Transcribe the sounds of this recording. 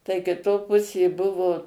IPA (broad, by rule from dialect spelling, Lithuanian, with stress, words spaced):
tɐɪ kʲɪˈtoː ˈpʊsʲeː ˈbʊʋoː